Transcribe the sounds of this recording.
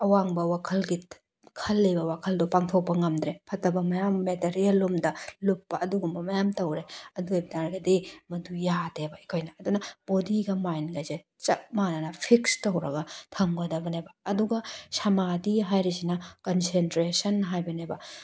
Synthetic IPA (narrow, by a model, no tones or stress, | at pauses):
ɐwaŋbɐwakʰɐlɡi | kʰɐlːebɐwakʰɐldupaŋtʰok̚pɐŋɐmdɾepʰɐtɐbɐmɐjamːeteɾijelːumdɐlupːɐɐduɡumbɐmɐjamtɐwɾeɐdueb̚daɾɡɐdimɐdujatebɐikʰojnɐːdunɐmodiɡɐmajnɡaze | t͡ʃɐk̚manɐnɐpʰikstɐwɾɐɡɐtʰɐŋɡɐdɐbɐnebɐːduɡɐsɐmadiɦajɾisinɐkɐnsentɾesɐnɦajbɐnebɐ